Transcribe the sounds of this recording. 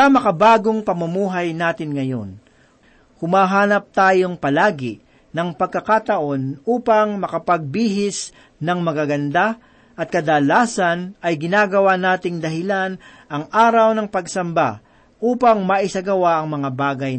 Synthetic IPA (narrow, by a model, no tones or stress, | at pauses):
ɐmɐkɐbaːɡoŋpɐmɐmuːɦajnaːt̪ɪnŋɐjo̞̰n | hʊmaːɦaːnɐp̚t̪aːjoŋpɐlaːɡɪ | nɐŋpɐɡ̚kːɐkat̪ɐʔo̞nʔuːpɐŋmɐkɐpɐɡ̚biːɦɪs | nɐŋmɐɡaɡɐnd̪a | ʔɐt̪̚kɐd̪ɐlaːsɐnɐjɡɪnaːɡɐwanaːt̪ɪŋd̪ɐɦɪlanʔɐŋʔaːɾɐwnɐŋpɐɡsɐmba | ʔuːpɐŋmɐʔɪsɐɡɐwaʔɐŋmɐŋabaːɡɐj